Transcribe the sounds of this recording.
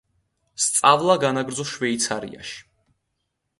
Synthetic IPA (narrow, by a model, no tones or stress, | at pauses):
st̪sʼavlˠaɡanaɡɾd̪zɔʃvɛit̪sʰaɾḭa̰ʃi̥